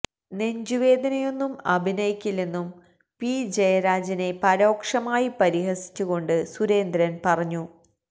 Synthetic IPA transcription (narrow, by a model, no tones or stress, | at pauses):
ne̞ɲd͡ʑuʋe̞ːd̪ɐnɐjo̞nːumɐbʱinɐjikʲːilːenːum | pid͡ʑejɐɾaːd͡ʑɐne̞pɐɾo̞ːkʂɐmaːjipɐɾiɦɐsi̥t͡ɕːuɣo̞ɳɖɨsuɾe̞ːnd̪ɾɐnpɐrɐɲːu